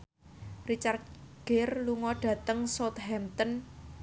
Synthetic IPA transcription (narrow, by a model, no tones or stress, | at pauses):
rit͡ʃart̪̚ɡ̥erluŋɔɖ̥ä̤t̪əŋsot̪hɛmt̪ən